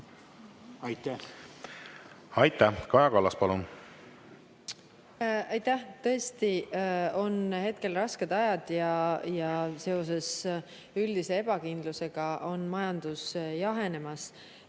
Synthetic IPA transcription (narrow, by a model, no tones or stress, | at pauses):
ɑjt̪æ | ɑjt̪ːˑækɑjɑkɑlːɑspɑlun | ɑjt̪æht̪ɤ̞est̪io̞nhe̞t̪̚ke̞lrɑske̞d̪̥ɑjɑd̪̥jɑjɑse̞o̞s̬e̞s | yld̪̥ise̞eb̥ɑkind̪luse̞ɡ̥ɑʔo̞nmɑjɑnd̪̥usjɑɦe̞ne̞mɑs